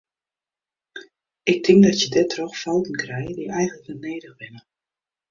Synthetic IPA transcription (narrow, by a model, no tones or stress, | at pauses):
ɪk̚tʰɪŋdɔtjədɛtʰrɔxfɔlˠtən̩krɛjədiʔɛjɣnləkʋɪlˠneːdəɣbɪnə